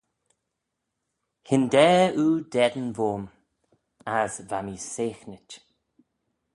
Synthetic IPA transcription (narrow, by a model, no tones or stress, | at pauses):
hɪnd̪ɛːuːd̪ɛd̪ənvoːm | azvamiseːxnət